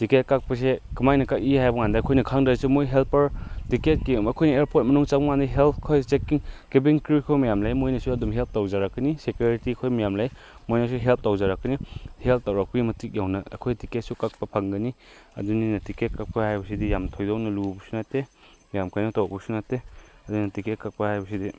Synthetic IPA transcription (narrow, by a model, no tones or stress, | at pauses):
tiket̚kak̚pɐs̬ekimajnɐkakihajbɔŋandaɐkʰojnɐkʰaŋdasumojɦelpɐɾtiket̚kimɐkʰojnɐeɾpʰot̚mɐnuŋt͡ʃabɔŋandijɦelt̚ʰkʰojt͡ʃekiŋkibiŋkɾikʰojmɐjamlajmojnɐsuɐdumɦelp̚tawzaɾakːɐnisekjuɾitikʰojmɐjamlaj | mojnasuɦelp̚ʰtawzaɾakːɐnihelp̚tawɾak̚pɐɡimɐtik̚jawnɐɐ̰kʰojtiket̚sukak̚pɐpʰaŋɡɐniɐ̰duninɐtiket̚kak̚pɐhajbɐsidijamtʰojdownɐlubusunate | majamkajnɐtawbusunateɐduinɐtiket̚kak̚pɐhajbɐsidi